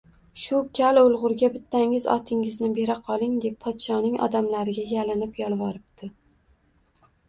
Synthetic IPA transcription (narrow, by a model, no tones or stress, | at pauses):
ʃʊkʲʰalʊlˠʁʊɾɡʲabɪt̪ʰːaŋɪzɒ̰t̪ʰɪŋɪznɪbe̞ɾaqʰɒlˠɪŋd̪e̞pʰːɒt̪ʃɒnɪŋʔɒ̰d̪amlaɾɪɡʲajalɪnɪpjɒlˠvɒɾɪp̚t̪ʰɪ